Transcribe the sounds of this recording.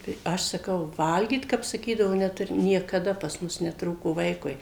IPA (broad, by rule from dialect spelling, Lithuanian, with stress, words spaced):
tɐɪ ˈɐʃ sɐˈkɐʊ ˈʋɐlʲɡʲiːt kɐp sɐˈkʲiːdɐʋoː nʲɛˈtʊrʲɪ nʲiɛkɐˈdɐ pɐs ˈmʊs nʲɛˈtruːkoː ˈʋɐɪkʊɪ